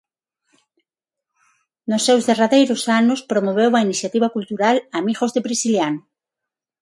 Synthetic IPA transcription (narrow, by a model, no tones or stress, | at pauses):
nʊsːewzðeraðejɾʊsanʊspɾomoβ̞ewuainiθjat̪iβakult̪uɾalamiɣozðeβɾisiljanʊ